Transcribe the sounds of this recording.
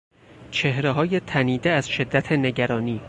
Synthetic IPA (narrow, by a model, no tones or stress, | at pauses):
t͡ʃʰe̞hɾeɦɒːje̞t̪ʰæniːd̪eæz̥ʃe̞d̪ːæt̪ʰene̞ɟæɾɒːniː